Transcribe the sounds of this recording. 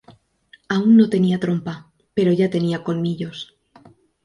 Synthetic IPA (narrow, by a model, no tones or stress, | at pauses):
aunːo̞t̪e̞niat̪ɾo̞mpa | pe̞ɾo̞ʝat̪e̞niako̞lmiʎo̞s